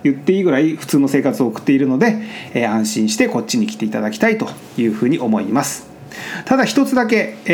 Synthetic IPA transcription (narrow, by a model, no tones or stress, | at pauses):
jɯ̟t̪ːe̞iːɡɯ̟ɾaiɸɯ̟̥t͡sɨːno̞se̞ːkat͡sɨo̞ːkɯ̟̥t̪ːe̞iɾɯ̟no̞d̪e̞ãɰ̃ɕĩɰ̃ɕi̥t̪eko̞t͡ɕːiɲ̟ikʲi̥t̪e̞it̪ad̪akʲi̥t̪ait̪o̞ | jɯ̟ːɸɯ̟ːɲ̟iʔo̞mo̞imasɨ̥ | t̪ad̪açi̥t̪o̞t͡sɨd̪ak̬e̞